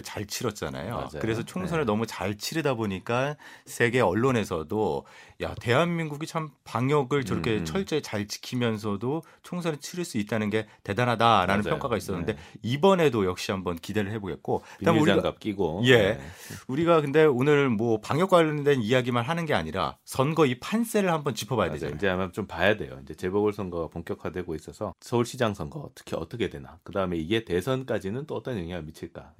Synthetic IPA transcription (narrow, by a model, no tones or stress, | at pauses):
t͡ɕaɭt͡ɕʰiɾʌt̚t͡ɕ͈a̰na̰jo̰kɯɾe̞sʰʌt͡ɕʰoŋsʰʌnɯɭnʌmut͡ɕaɭt͡ɕʰiɾɯdaboɲik͈asʰe̞ɡe̞ʌɭːone̞sʰʌdoja̰te̞ɦanmiŋɡuɡit͡ɕʰampaŋjʌɡɯɭt͡ɕʌɾʌkʰe̞t͡ɕʰʌɭt͡ɕ͈e̞t͡ɕaɭt͡ɕi̥kʰimjʌns̬ʰʌdo | t͡ɕʰoŋsʰʌnet͡ɕʰiɾɯɭs͈uit̚t͈anɯnɡe̞te̞danadaɾanɯnʰjʌŋk͈aɡais͈ʌnːɯnde̞ibʌne̞dojʌk̚ɕ͈iɦambʌnkide̞ɾɯɭhe̞boɡe̞̰t̚k͈oi̥amuɾiaɡap̚k͈iɡoje̞uɾiɡakɯnde̞onɯɭmwʌpaŋjʌk͈waɭːʌndwe̞nijaɡimanɦanɯnɡe̞a̰ɲiɾa̰sʰʌnɡʌipʰans͈e̞ɾɯɭhambʌnt͡ɕipʰʌbajaded͡ʑo̰id͡ʑeamat͡ɕompajadwe̞̰jo̰ind͡ʑe̞t͡ɕebʌɡɯɭsʰʌnɡʌɡapoŋkjʌkʰadweɡois͈ʌsʰʌsʰʌuɭɕʰid͡ʑaŋsʰʌnɡʌ̰tʰɯ̥kʰiʌt͈ʌkʰe̞dwe̞nakɯdaɯme̞iɡe̞te̞sʰʌnk͈ad͡ʑinɯnt͈oʌt͈ʌnjʌŋɦiɡamit͡ɕʰiɭk͈a